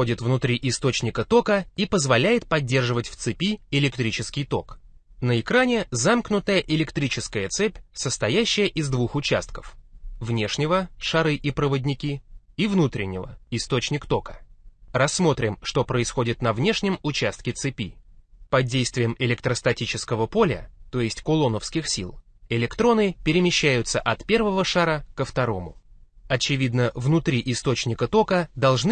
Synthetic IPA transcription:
odʲɪt̪vnʊt̪ɾʲiʔɪst̪o̞t͡ɕnʲɪkət̪o̞kəipəzvɐlʲæjɪt̪̚pɐdʲːe̞rʐɨvətʲft̪sɨpʲiɪlʲɪkt̪ɾʲit͡ɕɪskʲɪjt̪o̞k | nəɪkɾanʲɪzamknʊt̪əjəʔɪlʲɪkt̪ɾʲit͡ɕɪskəjət̪sɛpʲsəst̪ɐjæɕːɪjəʔɪzd̪vuxʊt͡ɕa̰st̪kə̥fvnʲe̞ʂnʲɪvəʂɐɾɨʔipɾəvədʲnʲɪkʲi | ivnut̪ɾʲɪ̰nʲːɪvə̰ɪst̪o̞t͡ɕnʲɪkt̪o̞kə̥rɐsːmo̞t̪ɾʲɪmʂt̪o̞pɾəɪsxo̞dʲɪt̪nɐvnʲe̞ʂnʲɪmʊt͡ɕæst̪kʲɪt̪sɨpʲipɐdʲːejst̪vʲɪjəmɪlʲɪk̚t̪ɾəst̪ɐtʲit͡ɕɪskəvəpo̞lʲə̰t̪o̞jɪsʲtʲkʊlˠonəfskʲɪxsʲḭlˠ | ɪlʲɪkt̪ɾo̞nɨpʲɪɾʲɪmʲɪɕːæjʊt̪səʔɐt̪pʲe̞rvəvəʂaɾəkəft̪ɐɾo̞mʊ̰ɐt͡ɕɪvʲid̪nəvnʊt̪ɾʲiʔɪst̪o̞t͡ɕnʲɪkət̪o̞kəd̪ɐlˠʐnɨ

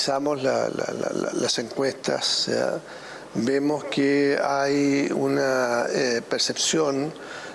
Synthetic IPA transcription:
samosla̰la̰lala̰laseŋkwest̪a̰ssḛa̰ | bemoskeajunaepeɾsepsjon

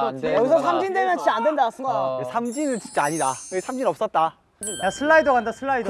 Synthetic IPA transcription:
ʌɡisʰʌsʰamd͡ʑindwemjʌnt͡ɕʰiandwendas͈ɯɡʌjesʰamd͡ʑinɯnt͡ɕint͡ɕ͈eaɲidakesʰamd͡ʑinʌp̚s͈ʌt̚t͈a | jasʰɯɭːaidoɡandasʰɯɭːaido

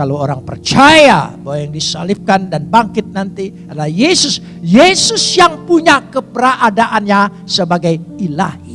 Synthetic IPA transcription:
kalowoɾaŋpərt͡ʃaja̰bawajaŋdisa̰lɪp̚kandanbaŋkɪt̪̚nant̪i | adalahjesʊs | jesʊsjaŋpuɲakəpəɾaʔadaʔanɲa | səbaɡajila̰hi

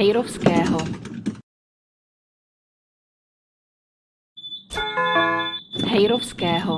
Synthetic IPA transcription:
ɛjɾofskɛːɦo | ɦɛjɾofskɛːɦo

